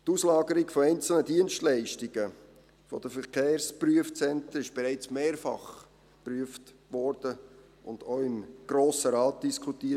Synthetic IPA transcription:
tuːslɑːɡəɾɪɡfɔɛɪnt͡sl̩nədiənʃtlæɪʃtɪɡ̥ə | fɔ̰d̥əfəɾkeːɾspryəft͡sɛntəɪʃb̥ɛɾæɪt͡smeːɾfɑ̰χ | pɾyəft | ʋɔɾd̥ə | ʔʊnd̥oːɪmɡ̥ɾoːsəɾɑːt̚d̥iskʰutiː

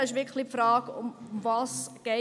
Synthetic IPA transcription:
ɪʃ̬ʋɪkʰlipfɾɑːɡʊ̰mmvɑːsɡ̥e

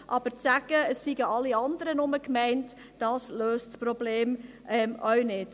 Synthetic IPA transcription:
ʔɑb̥əɾt͡sæɡ̥əəsːiɡəʔɑlːiɑndəɾənʊməkmɛɪnt | d̥ɑsløːstsprɔbleːm | ʔɛmʔœɥnɪd̥

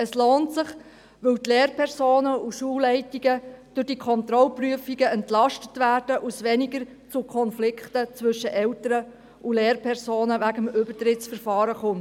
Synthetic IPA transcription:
əsloːntsɪχ | ʋɵwtleːrpʰɛɾsoːnəuʃuːllːɛɪtiɡəd̥ʊɾd̥iːkʰɔnt̪ɾɔlpryəfiɡəɛntlɑʃtətʋæːrd̥əʔusʋɛniɡəɾ | t͡sukʰɔnflɪkχtət͡sʋɵʃəʔɛwtəɾə | uleːɾpʰɛɾsoːnəʋæɡəmʏbərtɾɪtsfəɾfɑːɾəχʊn

